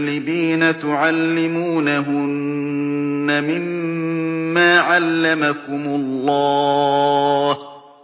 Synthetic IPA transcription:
lːɪbiːnat̪ʊʕalːɪmuːnaɦʊnː | amɪmː | aːʕalːamakʊmʊlˤːɑː | h

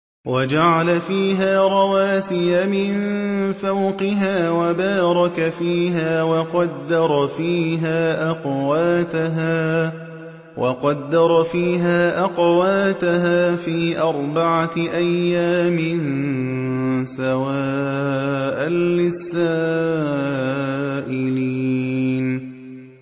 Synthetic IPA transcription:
wʔad͡ʒaʕalafiːɦaːɾˤɑwaːsɪjamɪnfawqɪɦaːwabaːɾˤɑkafiːɦaːwɑqɑd̪ːɑɾˤfiːɦaːʔɑqwaːt̪aɦaː | wʔɑ̰qɑd̪ːɑɾˤfiːɦaːʔɑqwaːt̪aɦaːfiːʔɑɾˤbaʕaʔajːaːmɪn | sawaː | ʔanːɪsːa | ʔɪliːn

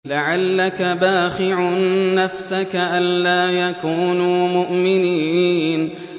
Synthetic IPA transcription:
laʕalːakabaːxɪʕʊnːafsakaʔanlaːjakuːnuːmʊʔmɪniːn

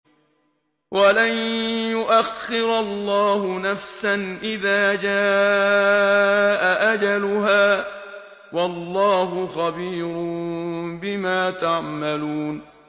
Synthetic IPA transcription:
wʔalanjʊʔaxːɪɾalːɑːhʊnafsanʔɪðaːd͡ʒaː | ʔaʔad͡ʒalʊɦaː | wɑlːɑːhʊxabiːɾʊmbɪmaːt̪aʕmaluːn

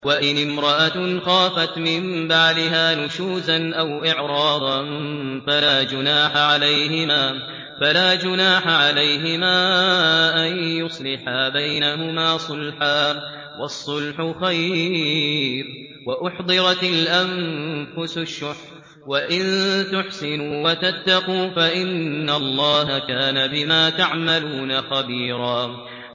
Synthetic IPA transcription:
waʔɪnɪmɾˤɑʔaxaːfat̪mɪmbaʕd̪ɪɦaːnʊʃuːzanʔawʔɪʕɾˤɑːd̪ˤɑnfalaːd͡ʒʊnaːħaʕalajhɪmaː | falaːd͡ʒʊnaːħaʕalajɦɪmaːʔanjʊsˤlɪħabajnaɦʊmaːsˤʊlħaː | wɑsˤːʊlħʊxaj | ɾ | waʔʊħd̪ˤɨɾˤɑt̪alʔamfʊsʃːʊħ | waʔɪnt̪ʊħsɪnːwat̪at̪ːɑquːfaʔɪnːalˤːɑːɦakaːnabɪmaːt̪aʕmaluːnaxabiːɾˤɑː

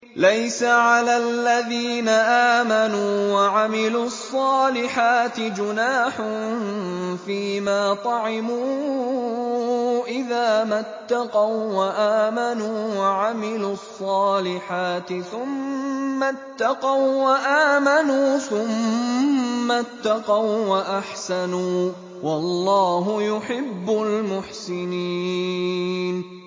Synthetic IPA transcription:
lajsaʕalaːlːaðiːnaʔaːmanuːwaʕamɪluːɑsˤːɑːlɪħaːt̪ɪd͡ʒʊnaːħʊ | fiːmaːt̪ˤɑʕɪmuː | ʔɪðaːmat̪ːɑqɑwwaʔaːmanuːwaʕamɪluɑsˤːɑːlɪħaːt̪ɪθʊmːat̪ːɑqɑwwaʔaːmanuːθʊmː | at̪ːɑqɑwwaʔaħsanuː | wɑlˤːɑːɦʊjʊħɪbːʊlmʊħsɪniː | n

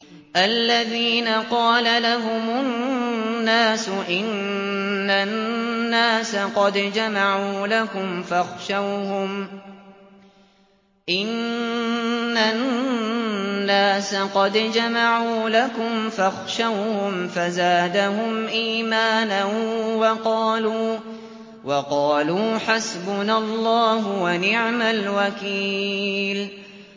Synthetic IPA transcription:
ʔalːaðiːnaqɑːlalaɦʊmʊ | nːaːsʊʔɪnː | anːaːsaqɑd̪d͡ʒamaʕuːlakʊmfaxʃawhʊm | ʔɪn | a | nːaːsaqɑd̪d͡ʒamaʕuːlakʊmfaxʃawhʊmfazaːd̪ahʊmʔiːmaːnanwɑqɑːluː | wɑqɑːluːħasbʊnalˤːɑːɦʊwanɪʕmalwakiːl

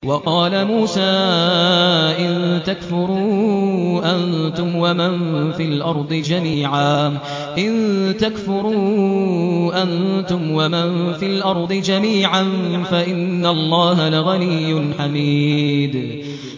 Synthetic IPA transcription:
wɑqɑːlamuːsaː | ʔɪnt̪akfʊɾuː | ʔant̪ʊmwamanfilʔɑɾˤd̪ˤɨd͡ʒamiːʕaː | ʔɪnt̪akfʊɾuː | ʔant̪ʊmwamanfilʔɑɾˤd̪ˤɨd͡ʒamiːʕanfaʔɪnːallˤːɑːɦalaɣanɪjːʊnħamiːd̪

